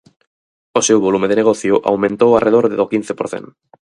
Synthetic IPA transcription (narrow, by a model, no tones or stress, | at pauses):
osewβolumeðeneɣoθjoʔa̰wmẽnt̪owarʔeð̞oɾðeðokin̟θepoɾθḛn